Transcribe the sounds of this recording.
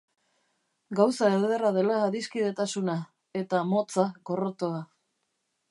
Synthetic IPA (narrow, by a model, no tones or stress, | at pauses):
ɡawsaeld̪erað̞e̞laːðiskiðe̞t̪asuna | e̞t̪amo̞t͡saɣo̞rot̪oa